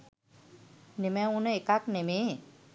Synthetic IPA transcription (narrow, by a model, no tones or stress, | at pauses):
nemɛ̃unekakneme